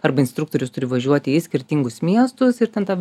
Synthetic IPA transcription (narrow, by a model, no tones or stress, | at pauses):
ɐɾbɐɪnst̪ɾukt̪oːɾʲʊst̪ʊɾʲɪʋɐʒʲuɔt̪ʲɪɪsʲkʲɪɾʲt̪ʲiŋɡʊsmʲiɛst̪ʊsɪɾt̪ʲɛnt̪ɑː